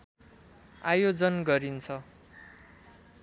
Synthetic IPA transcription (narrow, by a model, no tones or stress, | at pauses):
ajod͡zʌnɡʌɾint͡sʰʌ